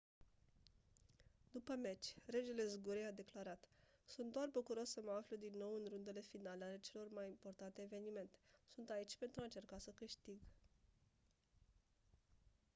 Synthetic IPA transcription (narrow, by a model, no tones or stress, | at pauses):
d̪̥upəme̞t͡ʃʲre̞d͡ʒe̞le̞zɡuɾejad̪e̞klaɾat̪sunt̪̚d̪oarbukuɾo̞sːəməafləd̪inːo̞wɨnrund̪e̞le̞finaleale̞t͡ʃe̞lo̞rmajimpo̞rt̪ant̪eːve̞nime̞nt̪e̞̥sunt̪ait͡ʃʲpe̞nt̪ɾuaɨnt͡ʃe̞rkasəkɨʃt̪iɡ